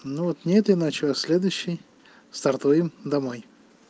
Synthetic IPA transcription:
nuvot̪nʲet̪ɪnat͡ɕʊɐsʲlʲed̪ʊjɕːɪj | st̪ɐrt̪ujɪmd̪ɐmoj

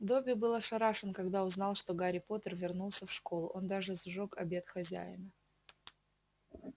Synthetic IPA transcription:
d̪obʲɪbɨlˠəʂɐɾaʂɨnkɐɡd̪aʊznɑlˠʂt̪o̞ɡaɾʲɪpo̞t̪ərvʲɪrnulˠsʲəfʂko̞lˠʊʔo̞nd̪aʐɨzʐokɐbʲe̞t̪xɐzʲæ̰jɪ̰nə

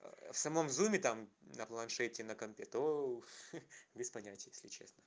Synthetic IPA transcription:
fsɐmo̞mzumʲɪt̪amnəplˠɐnʂɛtʲɪnəkɐmʲpʲet̪o | bʲɪspɐnʲatʲɪjesʲlʲɪt͡ɕe̞snə

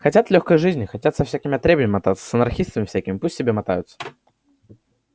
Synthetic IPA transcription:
xɐtʲat̪lʲoxkəjʐɨzʲnʲɪxɐtʲat̪sɐfsʲækʲɪmʲɪɐt̪ɾʲebəmʲɪmɐt̪at̪sə̥sənɐrxʲist̪əmʲɪfsʲækʲɪmʲɪpusʲtʲtʲɪbʲemɐt̪a̰jʊt̪sə̥

